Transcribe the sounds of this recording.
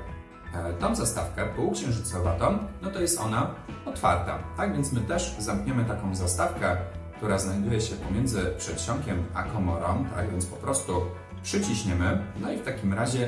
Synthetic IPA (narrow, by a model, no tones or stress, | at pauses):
t̪ɔ̃w̃zast̪a̰fkɛpɔwukɕɛ̃ʐut̪sɔvat̪ɔmnɔt̪ɔjɛst̪ɔ̰naɔt̪fa̰ɾt̪a̰t̪aɡvʲjɛnt̪smɘt̪ɛʐzamkɲɛmɘt̪akɔ̃w̃zast̪afkɛk̚t̪uɾaznajd̪ujɛɕɛpɔmʲjɛnd̪zɘpʂɛt̪ɕɔŋkʲɛmakʰɔmɔɾɔ̃mt̪a̰ɡvʲjɛnt̪pɔpɾɔst̪u | pʂɘt͡ɕiɕɲɛmɘnɔift̪akʲimɾaʑɛ